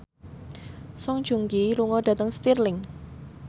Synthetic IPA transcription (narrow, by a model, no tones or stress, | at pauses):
sɔŋd̥ʒ̥uŋkiɾuŋɔdä̤t̪əŋst̪irlɪŋ